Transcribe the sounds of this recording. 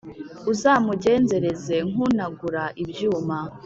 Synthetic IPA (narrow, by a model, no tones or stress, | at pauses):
uzaːmuɟe̞ːnze̞ɾe̞ze̞ŋ̥unaɡuɾaʔibjuːma